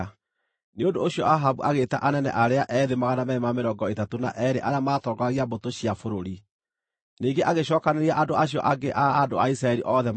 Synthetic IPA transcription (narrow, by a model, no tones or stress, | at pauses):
neondooɕiɔʔaɦaβuʔaɣeːtaʔanɛnɛ̰ʔaɾeaʔɛðemaɣanamɛemameɾɔŋɡɔetatona̰ʔɛɾeʔaɾeamaːtɔːŋɡaɣiabotoɕiafoɾoɾi | niːŋɡeʔaɣeɕɔːkaneɾiaʔandoaɕiɔ̰ʔaɡeʔaːdoaisɾaɛɾiʔɔðɛ